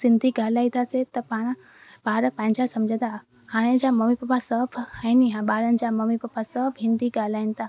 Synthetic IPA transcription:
sɪ̃nd̪ʱiɡaːlaːĩt̪ʰaset̪ɐpaːɽ̃ | baːɾpãɦɪ̃ɲd͡ʑasɐmd͡ʑʱə̃d̪a | haːɽ̃ẽd͡ʑamɐmipɐpasɐbʱainiɦaɓaːɾənɪ̆d͡ʑamɐmipɐpasɐbʱɦɪ̃nd̪iɡaːlaːinɪt̪ʰaː

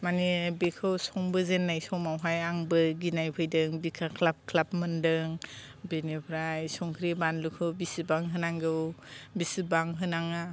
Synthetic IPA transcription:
manibekʰɯwsɔŋbɯzenːajsɔmawɦajaŋbɯɡinajpʰɯjdɯŋbikʰakʰlap̚kʰlapmɯndɯŋ | benepʰɾajsɔŋkʰɾebanlukʰɯwbisibaŋɦɯnaŋɡɯwbisibaŋɦɯnaŋa

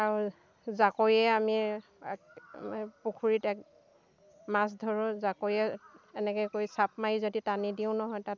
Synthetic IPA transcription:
aɹu | zakojɛami | pukʰuɹitɛk̚ | mas̬dʱɔɹʊzakojɛɛnɛkɛkojsap̚majzoditanidiʊ̃nɔɦɔjtat̚

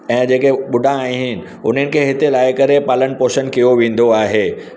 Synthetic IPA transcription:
ɛ̃ːd͡ʑeːkeɓʊɖʱãːĩɦɪnɪ̆ | ʊn̤ənɪ̆kʰeːɦɪt̪elaːɪkɐɾepaːlənpoːʃənkijoʋẽːn̆d̪oaːɦeː

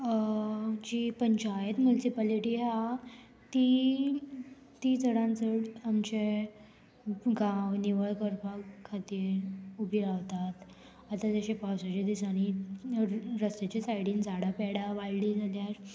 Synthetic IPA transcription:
d͡ʑipəɲt͡ɕajet̪mulsipaliʈiːɦa | t̪i | t̪it͡səɽãnt͡səɽamt͡ɕe | ɡãwniʋəɭkəɾpakʰːat̪iːɾubʱiɾaʋt̪at̪ | at̪ad͡zaɕepawsat͡ɕed̪isañi | ɾəst̪et͡ɕesajɽĩːnd͡zaɽapɛɽaʋajɖid͡zʱaljaɾ

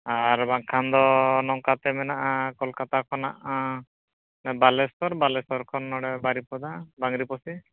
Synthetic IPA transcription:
aɾbaŋkʰand̪ɔnɔŋkat̪ɛmɛnaʔakɔlkat̪akʰɔna̰ʔa | mɛbalɛspɔɾbalɛsɔɾkʰɔnːɔɽɛbaɾipɔd̪abaŋɾipɔsi

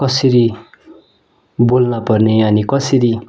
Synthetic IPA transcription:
kʌsiɾi | bolnʌpʌrneʌnikʌsiɾi

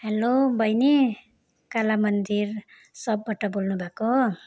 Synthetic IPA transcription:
helobʱʌjni | kalamʌnd̪ir | sʌbːaʈʌbolnubʱako

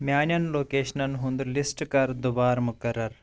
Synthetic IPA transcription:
mʲjaːnjɐnloːkeːʃɐnɐnɦund̪lisʈkɐɾd̪ubaːɾmukɐɾɐɾ

